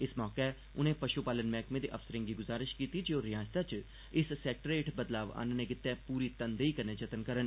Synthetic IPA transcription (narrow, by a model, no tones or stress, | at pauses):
ɪsmɔːkɛː | ʊnẽːpəʃupaːlənmɛːkmẽːd̪ḛːʔəfsəɾɪ̃ŋɡiːɡʊzaːɾɪʃkiːt̪iːd͡ʒeoːɾɪjaːd͡ʒt̪aːt͡ʃ | ɪssɛːk̚ʈəɾeːʈʰbəd̪laːʋa̰ːnənẽːkɪt̪ːɛːpuːɾiːt̪ənd̪eiːkəɾnẽːd͡ʒət̪ənkəɾən